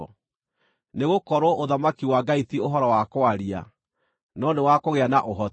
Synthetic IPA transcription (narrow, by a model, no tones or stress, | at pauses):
neɣokɔɾoʔoðamakiwaɡaitioɦɔɾɔwakoaɾia̰ | nɔnewakoɣeanaʔoɦɔ